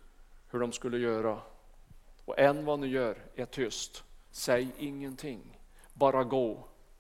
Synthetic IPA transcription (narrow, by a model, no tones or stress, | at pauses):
hɵɖɔmskɵlːəjœːɾa | ɔ̰ʔɛnːvanɪjœːɾɛʈʰʏst̪sɛjɪŋːənt̪ʰɪŋː | bɑːɾaɡoː